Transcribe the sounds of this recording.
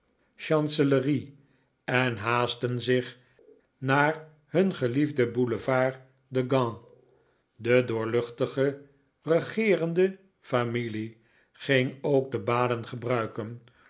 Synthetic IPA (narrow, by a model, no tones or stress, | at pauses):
ʃɑnsələri | ɛnɦaːstənzɪχ | naːɹ | ɦɵnχəlivdəbuləvaːɹ | dəɡɑ̃ | dədʊːɹlɵχtəχə | rəχɪːrəndə | famili | χɪŋowɡ̚dəbaːdənχəbrœɥkən